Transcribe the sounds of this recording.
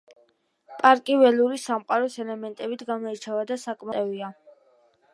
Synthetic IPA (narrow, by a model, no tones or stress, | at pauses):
pʼaɾkʼivɛluɾisamqʼaɾɔsɛlɛmɛnt̪ʼɛbit̪ʰɡamɔit͡ʃʰavad̪asakʼmaɛvia